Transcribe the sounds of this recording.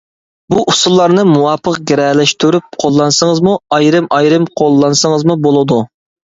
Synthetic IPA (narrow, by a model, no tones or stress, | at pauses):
buʔusulˠːɑɾnɨmuwɑːpʰəqɡʲeɾɛlɛʃt̪ʰyɾyp̚qʰolˠːɑnsəŋəzmuɑjɾɨmɑjɾɨmqʰolˠːɑnsəŋəzmubolˠɨd̪u